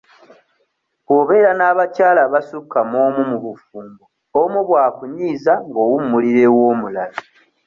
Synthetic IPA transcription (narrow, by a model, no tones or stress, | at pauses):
koːβe̞ːɾanaːβacaːlaβasukːamo̞ːmumuβufuːmbo | omuβwaːkuɲiːzaŋɡo̞ːwumːuliɾe̞wo̞ːmulali